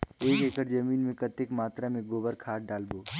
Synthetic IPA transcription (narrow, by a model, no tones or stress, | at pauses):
eːkeːkəɾd͡ʒəmiːnmẽkət̪ekmaːt̪ɾamẽɡoːbəɾkʰaːɖaːlboː